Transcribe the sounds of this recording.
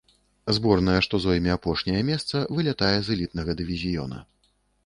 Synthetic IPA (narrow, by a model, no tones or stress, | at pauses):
zbɔrnɐjɛʂt̪ɔzɔjmʲɛapɔʂnʲɐjɐmʲɛst̪sɐvɨlʲat̪ajɛzɨlʲit̪nɐɣɐd̪ɨvʲizʲijɔ̰nɐ̰